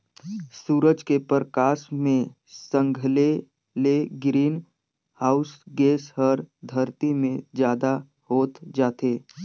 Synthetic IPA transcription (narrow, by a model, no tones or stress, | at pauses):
suːɾəd͡ʒkepəɾəkaːʃmẽ | sə̃ŋɡʱəle | leɡɾiːn | haːʊsɡeːsɦəɾd̪ʱəɾt̪imẽd͡ʒjaːd̪a | hoːt̪d͡ʒaːt̪eː